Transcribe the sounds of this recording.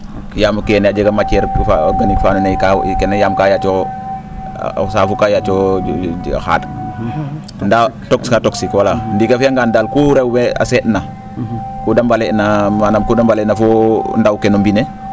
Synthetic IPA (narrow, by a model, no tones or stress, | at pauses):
jaːmkɛnad͡ʒəɡamat͡ʃɛɾfa̰ɔɡanikfanunekakɛnajaːmkajat͡ʃɔ̰ | saːfukajat͡ʃɔ̰ | xa̰ːd | ndatɔkskatoksikwalandikafiaŋɡandalkuɾewwɛa̰sɛtna | kudambalɛnamanamkudambalɛnafɔndawkɛnumbine